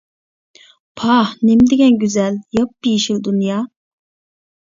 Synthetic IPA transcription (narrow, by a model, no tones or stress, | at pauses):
pʰɑhnemd̪ɪɡʲɛnɡʲyzɛljɑp̚ːijiʃild̪unjɑː